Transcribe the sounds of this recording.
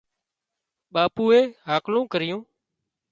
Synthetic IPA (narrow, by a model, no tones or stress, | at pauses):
ɓaːpuːeːɦaːklõːkəɾɪjũː